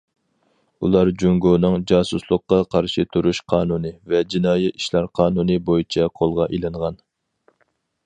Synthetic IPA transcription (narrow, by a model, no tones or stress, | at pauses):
ulˠɑɾd͡ʒuŋɡonɨŋd͡ʒɑːsuslˠəqːɑqʰɑɾʃit̪ʰuɾuʃqʰɑːnunɨvɛd͡ʒinɑːjiiʃlæɾqʰɑːnunɨbojit͡ʃʰɛqʰolˠʁɑʔilˠɨɴʁɑn